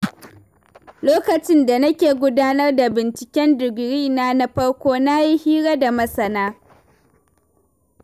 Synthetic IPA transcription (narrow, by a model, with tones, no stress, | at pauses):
loː˦kɐ˨t͡ʃɪ˦nda˨nɐ˦kʲeː˨ɡʷʊ˦daː˦nɐ˦rda˨bɪ˨nt͡ʃɪ˨kʲɛ˦ndɪ˨ɡɽiː˦naː˦na˦ɸɐ˦ɽkʷoː˦na˦ji˦hiː˦ɽa˦da˨mɐ˦sɐ˨naː˦